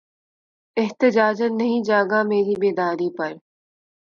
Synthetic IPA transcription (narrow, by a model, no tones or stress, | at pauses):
ɪɦt̪ɪd͡ʒaːd͡ʒənɐɦĩd͡ʒaːɡameːɾiːbeːd̪aːɾipɐɾ